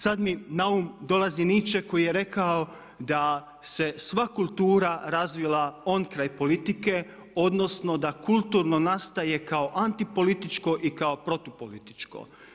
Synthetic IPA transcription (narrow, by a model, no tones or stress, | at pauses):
sad̪minaumd̪o̞lazinit͡ʃe̞ko̞jijeɾe̞kao̞ | d̪a | se̞sʋakulˠt̪uːɾaɾazʋilˠao̞nkɾajpo̞lit̪ike̞ | o̞d̪no̞sno̞d̪akulˠt̪uɾno̞nast̪aje̞kao̞ʔant̪ipo̞lit̪it͡ʃko̞ʔikao̞pɾo̞t̪opolit̪i̥t͡ʃko̰